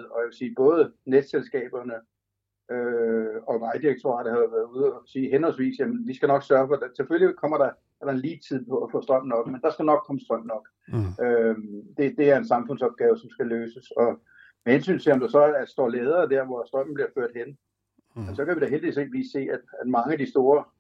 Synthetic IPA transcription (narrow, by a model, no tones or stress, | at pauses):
ð̩ˠɒ̽jæʋe̝siːb̥ɔ̽ːð̞ˠəned̥selsɡ̥ɛ̰ːb̥ɐnə | øɒ̽ʋɑ̈ɪd̥iʁeɡ̥̚t͡sʰoʁɑ̰̈ːdəhæðʋæɐð̩ˠuð̞ˠɒsiːɦenhɒ̽lsʋḭːsjæmənʋisɡ̥ænɒ̽ɡ̥sɶɐfɒ̽d̥seføllikʰɒ̽m̰ɐɾ̥ɑ̈ | æɐɾ̥ɑ̈enliːt͡sʰið̰ˠpʰɒ̽æfɔ̰ːsd̥ʁɶm̰n̩ɒ̽ɡ̥mend̥ɑ̈sɡ̥ænɒ̽ɡ̥̚kʰːɒ̽məsd̥ʁɶm̰nɒ̽ɡ̥ | ød̥e̝d̥e̝æɐe̝nsɑ̈mfɔ̽n̰sɒ̽b̥̚ɡ̥ɛːʊəsɒ̽msɡ̥æløːsəsɒ̽ | mehensy̰ːnt͡sʰe̝ɒ̽md̥ɑsɒ̽æɐsd̥ɒ̰ːlɛːð̞ˠɐːd̥æɐʋɒsd̥ʁɶm̰n̩b̥liɐføɐ̰d̥hen̰ | mensɒ̽kʰæʋiɾ̥æɦeld̥iʋḭse̝̰ːd̥ʋḭːsːe̝̰ːæd̥æd̥mɑ̈ŋəæd̥isd̥o̝ːɐ